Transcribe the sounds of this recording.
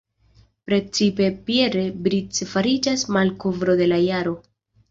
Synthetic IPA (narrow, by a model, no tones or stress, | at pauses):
pɾe̞t͡sipe̞pie̞ɾe̞bɾit͡sfaɾid͡ʒasmalkovɾo̞de̞lajaɾo̞